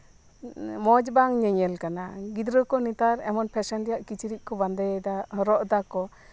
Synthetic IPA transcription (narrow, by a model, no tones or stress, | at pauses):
mɔd͡ʒbaŋɲɛɲɛlkanaɡid̪ɾəkɔnit̪aɾɛmɔnpʰɛsɛnd̪ɛjaʔkit͡ʃiɾiʔ̚ˀkɔband̪ɛd̪aɾɔʔd̪akɔ